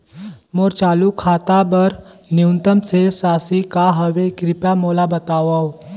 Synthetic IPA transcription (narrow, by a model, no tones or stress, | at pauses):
moːɾt͡ʃaːlukʰaːt̪abəɾ | njunt̪əmsesaːsikaɦɐʋekɾɪpjamoːlabɐt̪aːʋaw